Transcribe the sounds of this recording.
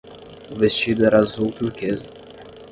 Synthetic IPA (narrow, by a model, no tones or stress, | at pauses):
uvest͡ʃid̪ʊɛɾazuwk̪ukez